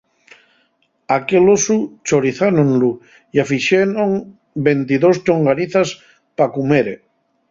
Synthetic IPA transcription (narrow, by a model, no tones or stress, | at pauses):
akelosut͡ʃoɾiθanonlu | iafiʃenoŋ | bent̪iðost͡ʃoŋɡaniθas | pakumeɾe